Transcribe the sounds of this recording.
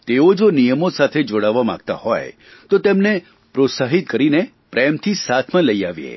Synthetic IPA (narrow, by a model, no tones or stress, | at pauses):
t̪eod͡ʒonijəmosat̪ʰed͡ʒoɽaʋːamã̰ɡt̪a̰ho̰j | t̪ot̪emne | pɾot̪saɦit̪̚kəɾine | pɾɛmt̪ʰisat̪ʰmãləia̰ʋjḛ